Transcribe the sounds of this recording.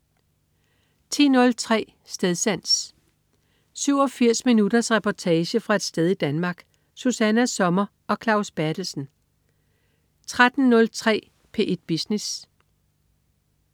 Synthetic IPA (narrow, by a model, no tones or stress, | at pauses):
t͡sʰḭːnɔ̽lt͡sʰʁɛ̰ː | sd̥eðˠsæn̰s | syʊ̰ɒ̽fiɐ̰sminudɐsʁɛpʰɒt͡sʰɛːɕəfʁɑ̈e̝d̥sd̥eðˠid̥ænmɑ̈ːɡ̥ | susænæsɒ̽mɐ | ɒ̽kʰlɑ̈ʊsb̥æɐd̥l̩sn̩ | t͡sʰʁad̥n̩nɔ̽lt͡sʰʁɛ̰ː | pʰe̝ʔe̝d̥̚b̥isnes